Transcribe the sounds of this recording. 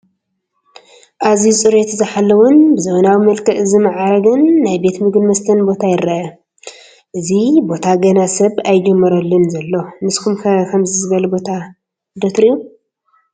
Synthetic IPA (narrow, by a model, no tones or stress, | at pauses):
ʔazit͡sʼɨɾet̪zɨħalːɐwɔnbɨzɐβɐnawimɐlkʰɐʔɨzɨmaʕaɾɐɡɐnːajbe̞t̪mɨɡdmɐst̪ʰɐnbo̞t̪ʰajɪɾʔɐʔɐ | ʔɨzibo̞t̪ʰaɡɐnasɐβajd͡ʒɛmːɐɾɐlːɨnzɐlːo̞nɨskʰumkʰɐkʰɐmzɨzɨɡɐlɐbo̞t̪ʰa | d̪ot̪ɾiju